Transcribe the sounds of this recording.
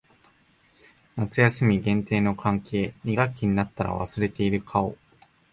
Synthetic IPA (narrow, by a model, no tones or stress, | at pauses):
nat͡sɨjasɨmʲiɡẽ̞nt̪e̞ːno̞kʰãŋkʰe̞ːmʲiɡakʲːiɲ̟inat̪ːaɾa̰βa̰sɨɾe̞t̪e̞iɾɯ̟kʰao̞̰